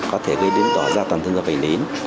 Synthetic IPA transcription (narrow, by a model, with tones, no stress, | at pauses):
kɔ˨˦t̪ʰe˧˩ɣə˧jɗe˨˦nt̪ɔ˧˩zaː˧˩t̪a˨˩t̪ʰə˧za˧˩ʔɓa˨˩ŋli˨˦n